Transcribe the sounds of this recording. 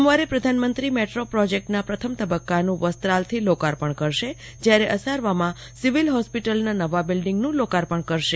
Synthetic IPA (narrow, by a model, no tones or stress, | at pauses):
əmʋaɾepɾəd̪ʱanmənt̪ɾimeʈɾopɾɔd͡ʒek̚ʈnapɾət̪ʰəmt̪əbəkːanũʋəst̪ɾalt̪ʰilokaɾpəɳkəɾʃe | d͡ʒjaɾeʔəsaɾʋamã | siʋilɦɔspiʈəlnanəʋabɪlɖiŋɡnũlokaɾpəɳkəɾʃe